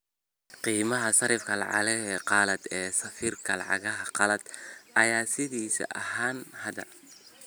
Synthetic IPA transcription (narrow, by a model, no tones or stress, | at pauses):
qiːmɐɦɐsɐɾɪfkʰɐlɑ̰ʕɑ̰lɐɛqɑlɐd̪ɛːsɐfiːrkʰɐlɑ̰ʕɑ̰ɣɐɦɐqɑlɐd̪̥ʔɐjaːsɪðiːsɐ̰ʔɐɦaːnhɐd̪ɐ̰